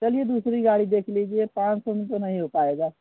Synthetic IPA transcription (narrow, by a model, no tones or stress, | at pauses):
t͡ʃəlijed̪usɾiɡaɽid̪ekʰlid͡ʒiepãːt͡ʃsomet̪onəɦĩɦopaeɡaː